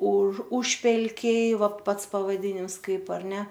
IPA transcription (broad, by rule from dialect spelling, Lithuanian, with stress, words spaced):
ʊʃ ˈʊʃʲpʲɛlʲkʲɛɪ ˈʋɐ ˈpɐts pɐʋɐˈdʲɪnʲɪms ˈkɐɪp ɐr ˈnʲɛ